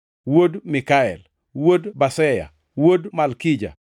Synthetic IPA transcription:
wodmɪkaɛl | wodbasɛja̰ | wodmalkid͡ʒa̰

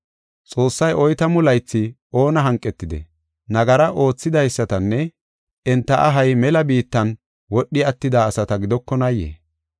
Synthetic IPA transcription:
t͡sʼo̞ːsːɐjʔɔjt̪ɐmʊlɐjt͡sːɪʔo̞ːnɐɦɐŋkʼːɛt̪ːɪd̪ɛ̰ | nɐɡɐɾɐʔo̞ːt͡sːɪd̪ɐjsːɐt̪ɐnːɛ | ɛnt̪ːɐʔɐɦɐjmɛlɐbiːt̪ːɐn | wɔɗːɪɐt̪ːɪd̪aːsɐt̪ɐɡɪd̪ɔkːɔnɐjːḛː

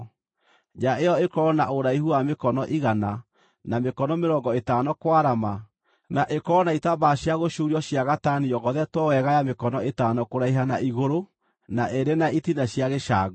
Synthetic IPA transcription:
d͡ʒaejɔekɔɔnaʔoɾaiɦuamekɔnɔʔiɣana | namekɔnɔmeɾɔːŋɡɔetaːnɔkwaɾama | naʔekɔɔnaitabaɕjaɣoʃuːɾiɔɕjaɣataniɔɣɔðɛtwɔwɛɣajamekɔnɔetaːnɔkoɾaiɦanaʔiɣoɾo | naʔeɾenaitinaɕjaɣeʃaːɣ

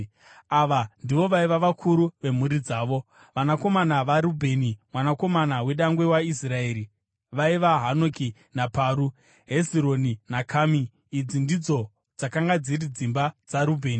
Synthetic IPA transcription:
aʋandiʋo̞ʋaiʋaʋakʰuɾuʋe̞muɾid͡zaːʋo̞ | ʋanako̞manaʋaɾubʱe̞ːnimwanako̞manawe̞ɗaŋɡwe̞waisrae̞ːɾi | ʋaiʋaɦanoki | napaːɾu | ɦe̞ziɾo̞ninakʰaːmiː | d͡zindid͡zo̞ | d͡zakaŋɡad͡zirid͡zimbad͡zaɾubʱe̞ːni

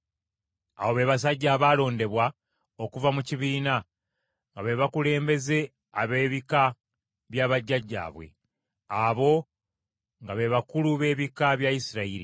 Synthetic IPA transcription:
a̰wo̞βe̞ːβas̬aɟːaːβaːlo̞ːnde̞βwa | okuvamuciβiːna | ŋɡaβe̞βakule̞ːmbe̞ze̞ | aβe̞ːβika | βjaːβaɟːaɟːa̰ːβwe̞̰ | aβo̞ | ŋɡaβe̞βakuluβe̞ːβikaβjaisiɾaiɾḭ

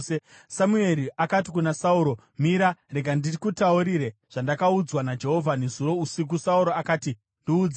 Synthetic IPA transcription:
e | samue̞ɾiʔakatikunasauːɾo̞ | miɾareɡʱandirikutauɾiɾeʐ̥andakaud͡zwanad͡ʒe̞ɦo̞vʱanezuɾo̞usik̬usauɾo̞akaːti | ndiuːd͡z

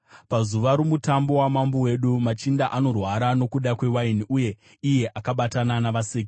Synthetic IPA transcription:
pazuʋaɾomutambo̞wamambowe̞ɗumat͡ʃindaʔano̞rwaɾano̞kuɗakwe̞wainiʔuje̞ | ije̞ʔakaɓatananaʋaseːki

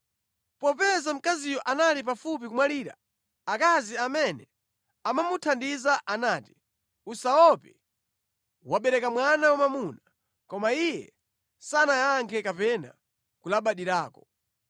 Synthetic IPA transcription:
pɔpɛzam̩kazijɔʔanalip̬afup̬ikumwaliːɾa̰ | akaziamɛnɛ | amamutʰandizaʔanaːti̥ | usaɔpɛ | waɓɛɾɛkamwanawamamuna | kɔmaijɛ | sanajaŋkʰɛkapɛna̰ | kulaɓaɗiɾaːkɔ

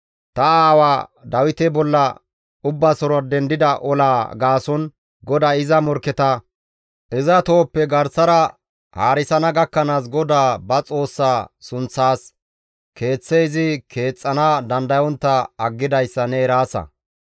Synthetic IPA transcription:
t̪ɐaːwaːd̪ɐwɪt̪ɛbɔlːɐ̰ | ʊbːɐsɔɾɐd̪ɛnd̪ɪd̪ɐʔɔlaːɡaːsɔn | ɡɔd̪aːɪzɐmɔɾkɛt̪ɐ | ʔɪzɐt̪o̞ːpːɛɡɐɾsɐɾɐ | ha̰ːɾɪsɐnɐɡɐkːɐnaːs̬ɡɔd̪aːbɐt͡sʼo̞ːsːaːsʊnt͡sːaːs | kʰe̞ːt͡sːejzɪkʰe̞ːt͡sʼːɐnɐd̪ɐnd̪ɐjɔnt̪ːɐɐɡːɪd̪ɐjsːɐnɛɾaːsɐ̰

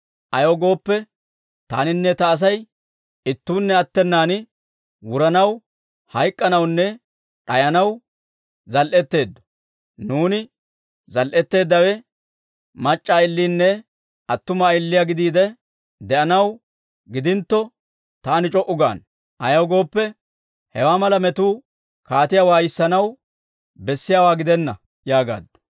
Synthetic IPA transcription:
ʔɐjoɡo̞ːpːɛ | t̪a̰ːnɪnːɛt̪ɐːs̬ɐj | ɪt̪ːuːnːɛɐt̪ːɛnːaːnɪ | wʊɾɐnɐw | hɐjkʼːɐnɐwnːɛ | ᶑɐjɐnɐw | zɐlʔɛt̪ːe̞ːd̪ːɔ̥ | nuːnɪ | zɐlʔɛt̪ːe̞ːd̪ːɐwɛ | mɐt͡ʃʼːaːɪlːiːnːɛ | ɐt̪ːʊmaɪlːɪjaɡɪd̪iːd̪ɛ | d̪ɛʔɐnɐw | ɡɪd̪ɪnt̪ːɔ | t̪aːnɪt͡ʃʼɔʔʊɡa̰ːn | ʔɐjɐwɡo̞ːpːɛ | hɛwaːmɐlɐmɛt̪uː | kaːt̪ɪjawaːjɪsːɐnɐw | bɛsːɪjaːwaːɡɪd̪ɛnːɐ | jaːɡa̰ːd̪ːɔ̥

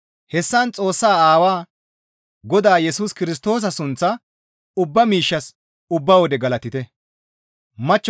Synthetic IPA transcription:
hɛsːɐnt͡sʼo̞ːsːaːaːwaː | ɡɔd̪aːjɛsuːskɪɾɪs̬t̪o̞ːs̬ɐsʊnt͡sːɐ | ʊbːɐmiːʃːɐs | ʊbːɐwɔd̪ɛɡɐlɐt̪ɪt̪ɛ | mɐt͡ʃː

